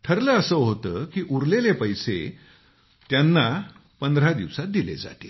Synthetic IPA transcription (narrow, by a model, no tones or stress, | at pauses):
ʈ̪ʰəɾləəsəɦot̪əːkiːʔuɾlelepəjse | t̪janːa | pənd̪ɾad̪iʋsat̪̚d̪ilḛd͡za̰t̪i